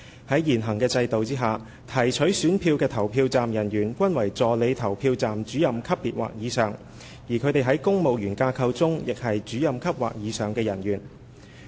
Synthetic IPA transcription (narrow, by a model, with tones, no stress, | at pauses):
hɐ˨˥jjiː˨˩nɦɐ˨˩ŋkɛː˧t͡sɐ˧jt̪o˨wt͡siː˥ɦaː˨ | t̪ʰɐ˨˩jt͡ʃʰɵ˨˥ɥsyː˨˥npʰiː˧wkɛː˧t̪ʰɐ˨˩wpʰiː˧wt͡saː˨mjɐ˨˩njyː˨˩nkʷɐ˥nwɐ˨˩jt͡sɔː˨le˨˧jt̪ʰɐ˨˩wpʰiː˧wt͡saː˨mt͡ʃyː˨˥jɐ˨mkʰɐ˥pːiː˨˩t̚wa̰ː˨k̚jiː˨˧sœː˨˩ŋ | jiː˨˩kʰɵ˨˧ɥt̪e˨jɦɐ˨˥jkʊ˥ŋmo˨wjyː˨˩nkaː˧kʰɐ˧wt͡sʊ˥ŋjɪ˨k̚hɐ˨jt͡ʃyː˨˥jɐ˨mkʰɐ˥p̚wa̰ː˨k̚jiː˨˧sœː˨˩ŋkɛː˧jɐ˨˩nɥyː˨˩n